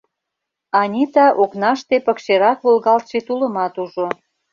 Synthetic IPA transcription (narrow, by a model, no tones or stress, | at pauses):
ɑnʲit̪ɑʔoknɑʃt̪epə̆kʃeɾɑkβolɣɑlt̪ʃet̪uləmɑt̪uʒo